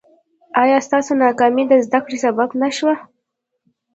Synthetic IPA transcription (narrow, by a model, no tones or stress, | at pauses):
ɑjɑst̪ɑsonɑkɑmid̪əzd̪akɽesababnaʃwa